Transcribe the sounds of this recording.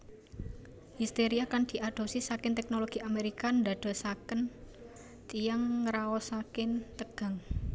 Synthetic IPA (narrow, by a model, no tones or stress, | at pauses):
hist̪eɾiakand̪̥i̤ʔaɖ̪̥o̤sɪsakɪnt̪ɛk̚noloɡ̥i̤ameɾikand̪a̤d̪̥ɔ̤sakən | t̪ijaŋːəɾaɔsakɪnt̪əɡ̥a̤ŋ